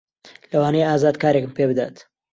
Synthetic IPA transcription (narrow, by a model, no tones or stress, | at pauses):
lɐwaːnejaːzaːd̪̚kaːɾekmpeːbɨd̪a̰ːt̪